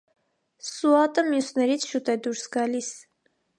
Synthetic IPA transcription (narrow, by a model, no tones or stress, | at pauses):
suɑt̪ʼəmjusnɛɾit͡sʰʃut̪ʼɛd̪uɾsɡɑlis